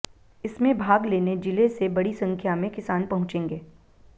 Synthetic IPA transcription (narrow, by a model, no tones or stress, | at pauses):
ɪsmẽbʱaːɡleːned͡ʒɪlesebɐɽisɐ̃ŋkʰjamẽkɪsaːnpɐɦʊ̃t͡ʃẽːŋɡeː